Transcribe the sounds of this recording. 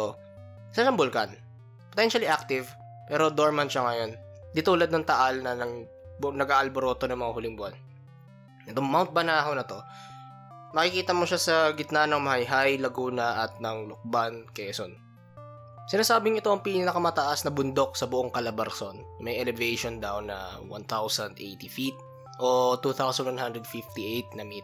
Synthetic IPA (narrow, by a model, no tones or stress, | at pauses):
t̪o | sɐʃɐŋbʊlkan | pot̪ɛnʃɐliʔak̚t̪ɪv | pɛːɾo̞d̪oɹmɐnʃaŋɐjo̞n | d̪it̪uːlɐd̪̚nɐŋt̪ɐʔalnɐnɐ | nɐɡʔaːʔɐlboɾo̞ːt̪o̞nɐŋmɐŋahʊlɪŋbʊan | ɛt̪oŋmawnt̪̚bɐnaːɦɐwnɐt̪o̞ | mɐkɪkiːt̪ɐmo̞ʃasɐɡɪt̪̚nanɐŋmɐhɐjɦajlɐɡuːnɐʔɐt̪̚nɐŋlʊk̚bankɛːson | sɪnaːsaːbɪŋɪt̪o̞ʔɐŋpiːnnɐkɐmɐt̪ɐʔasnɐbʊnd̪o̞k̚sɐbʊʔoŋkɐlɐbɐɾsonmɐjʔɛlɛvɛjʃond̪awnɐ̰wa̰nt̪awsɐnd̪ʔḛjt̪ifit̪̚ | ʔo̞t̪uːt̪awsɐnd̪wanhand̪ɾɛd̪̚fift̪iʔejt̪̚nɐmi